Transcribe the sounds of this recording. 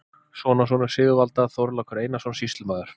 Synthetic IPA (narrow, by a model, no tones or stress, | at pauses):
svɔːnasɔnʏ̥sɪːɣɪvalt̪aθowɾlakʰʏɾejnasɔnsist̪lɪmaːðʏɾ̥